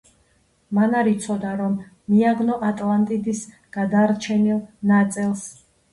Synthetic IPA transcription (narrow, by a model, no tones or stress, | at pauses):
manaɾit̪sʰɔd̪aɾɔmː | iaɡnɔʔat̪ʼlˠant̪ʼid̪is | ɡ̥ad̪aɾt͡ʃʰɛnilˠnat̪sʼilˠs